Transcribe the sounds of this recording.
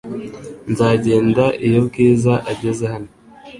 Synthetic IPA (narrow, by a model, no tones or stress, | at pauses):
nzaːɟeːndaʔijoɾkeːzaʔaɟezehano